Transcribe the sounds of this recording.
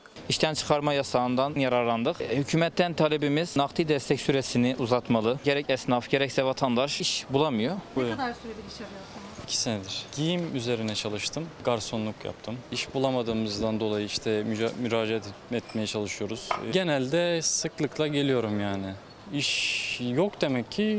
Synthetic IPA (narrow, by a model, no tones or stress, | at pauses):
iʃt̪ʰænt͡ʃʰɯ̥kʰaɾmajasand̪anjaɾaɾlˠand̪ɯqhycʰyːmɛt̪ːɛnt̪ʰalʲebimiz̥naqt̪ʰid̪ɛst̪ʰɛcsyɾesiniʔuzat̪malˠɯɟe̞ɾɛcɛsnafɟe̞ɾɛcsɛvat̪ʰand̪aʃiʃbulˠamɯjod̪asyɾed̪iɾit͡ʃʰɛɾlʲɛa | cʰi̥sined̪iɾ̥ɟijimyze̞ɾinɛt͡ʃʰalˠɯʃt̪ʰɯmɡaɾso̞nlˠukja̰p̚t̪ʰɯmiʃbulˠamad̪ɯːmɯzd̪and̪o̞lˠajɯiʃt̪ʰɛmymyɾaːd͡ʒeat̪ɛt̪me̞jɛt͡ʃʰalˠɯʃujo̞ɾuz̥ɟe̞nælʲd̪ɛsɯklˠɯklˠaɟe̞lʲijo̞ɾumjaːnɪ | iʃjokd̪e̞mɛcʰːi